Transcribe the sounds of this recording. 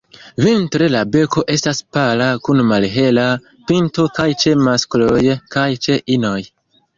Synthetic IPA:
vintɾe̞labe̞ko̞ʔe̞staspalakunmalɦe̞la | pinto̞kajt͡ʃe̞masklojkajt͡ʃe̞ʔino̞j

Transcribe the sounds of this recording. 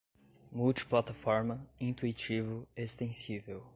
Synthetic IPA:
muwt͡ʃi̥plat̪afɔɾmɐĩnt̪uit͡ʃivʊest̪ẽsivew

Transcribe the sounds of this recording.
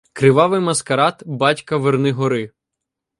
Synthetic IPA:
kɾɪʋɑʋɪjmɐskɐɾɑt̪bɑtʲkɐʋernɪɦɔɾɪ

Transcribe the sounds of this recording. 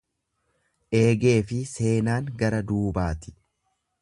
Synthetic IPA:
ʔe̞ːɡe̞ːfɪse̞ːnaːŋɡɐɾɐd̪uːbaːt̪ɪ̥

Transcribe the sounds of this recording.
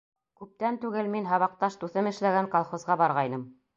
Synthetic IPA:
kʉp̚t̪ænt̪ʉɡɘlminɦɑβɑq̚t̪ɑʃt̪uθɤmɘ̆ʃlæɡæŋkolˠχŏzʁɑbɑɾʁɑjnɤm

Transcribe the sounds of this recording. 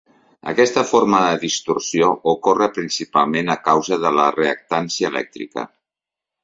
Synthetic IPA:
ə̰kɛst̪əfoɾməðəðist̪ursioʔukorəpɾinsipalˠmenəkawzəðələreək̚t̪ansiəːlɛ̰k̚t̪ɾḭkə̰

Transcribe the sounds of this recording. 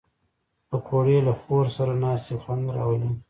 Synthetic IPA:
pəkʰoɽelaxoɾsaɾanɑst̪exwand̪ɾɑ̰wəli

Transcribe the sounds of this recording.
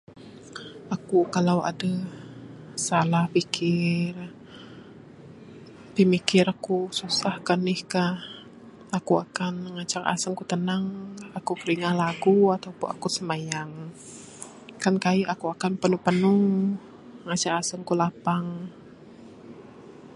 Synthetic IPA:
ʔakukalawʔa̰də | salahpikʰɪr | t̪imikɪɾʔakususahkanɪhkah | akuakanŋat͡ʃaka̰səŋkut̪ənəŋakukəɾiŋahlaɡuat̪awpuna̰kusəmajaŋ | kankaiʔakuakanpənupənuŋ | ŋat͡ʃakasəŋkulapaŋ

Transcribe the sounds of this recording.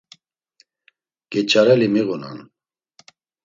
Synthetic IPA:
ɡ̥ɛt͡ʃʼaɾɛlimiɣuna̰n

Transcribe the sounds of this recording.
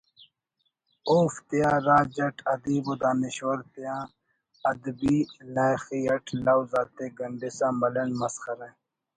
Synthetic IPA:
oːft̪ijaːɾaːd͡ʑɐʈʰɐd̪iːbod̪aːniʃwɐɾt̪jãː | ɐd̪biːlaːjxiːɐʈʰlawzaːt̪eːɡɐɳɖisãːmɐlɐnmɐsxɐɾẽ

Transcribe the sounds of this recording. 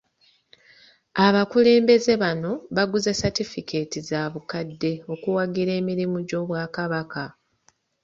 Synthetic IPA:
aβakule̞ːmbe̞ze̞βano̞βaɡuzesatifike̞ːtizaːβukadːe̞o̞kuwaɡiɾe̞ːmiɾimuɟo̞ːβwaːkaβaka

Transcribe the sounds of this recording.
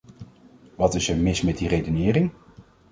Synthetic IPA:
ʋɑtɪsəmɪsmɛt̚direjdənɪːrɪŋ

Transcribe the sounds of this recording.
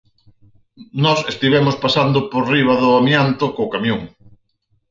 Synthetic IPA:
nɔsest̪iβɛmʊspasand̪ʊpoɾriβɐðʊamjant̪ʊkoːkamjõŋ

